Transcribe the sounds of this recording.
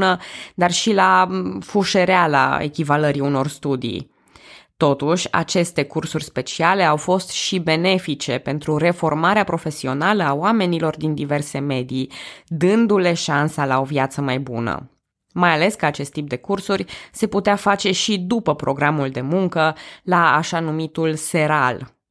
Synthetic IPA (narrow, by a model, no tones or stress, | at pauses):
nəd̪arʃilafuʃe̞ɾeala̰e̞̰kʲivaləɾiuno̞rst̪ud̪ḭ | t̪o̞t̪uʃʲa̰t͡ʃe̞st̪e̞kursurʲspe̞t͡ʃiale̞awfo̞st̪ʃibe̞ne̞fit͡ʃe̞pe̞nt̪ɾuɾe̞fo̞rmaɾeapɾo̞fe̞sio̞naləawame̞nilo̞rd̪ind̪ive̞rse̞me̞d̪id̪ɨnd̪ule̞ʃansalao̞vjat̪səmajbṵnə̰ | majale̞skəat͡ʃe̞st̪ːip̚d̪e̞kursurʲse̞put̪eafat͡ʃe̞ʃid̪upəpɾo̞ɡɾamuld̪e̞muŋkəlaːʃanumit̪ulse̞ɾal